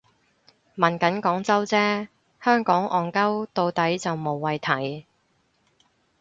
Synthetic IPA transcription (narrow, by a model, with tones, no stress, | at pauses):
mɐ˨˩nkɐ˨˥nkɔː˨˥ŋt͡sɐ˥wt͡sɛː˥ | hœː˥ŋkɔː˨˥ŋʔɔː˨nkɐ˥wt̪o˧wt̪ɐ˨˥jt͡sɐ˨wmo˨wːɐ˨jt̪ʰɐ˨˥j